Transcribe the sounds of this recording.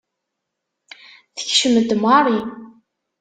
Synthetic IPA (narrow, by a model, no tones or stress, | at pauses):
θə̥çʃəməd̪mɑɾˤi